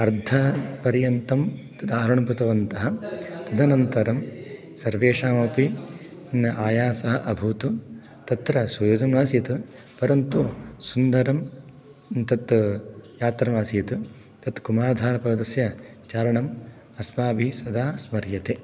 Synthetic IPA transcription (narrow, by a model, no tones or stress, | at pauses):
ɐɾd̪ʱɐpɐɾjɐnt̪ɐmt̪ɐd̪aːɾɐɳɐmput̪ɐʋɐnt̪ɐɦɐ̆t̪ɐd̪ʱɐnɐnt̪ɐɾɐm | sɐɾʋeːʂaːmoːpi | nɐʔaːjaːsɐɦɐʔɐbʱut̪u | t̪ɐt̪ɾɐsujoːd̪ɐnʋaːsjɐt̪ɨ | pɐɾɐnt̪usund̪ɐɾɐm | nt̪ɐt̪jaːt̪ɾɐʋaːsijɐt̪u | t̪ɐt̪kumaːd̪ʱaːɾɐpɐd̪ɐsjɐ | t͡ʃaːɾɐɳɐm | ɐsmaːbʱisɐd̪aːsmɐɾjɐt̪e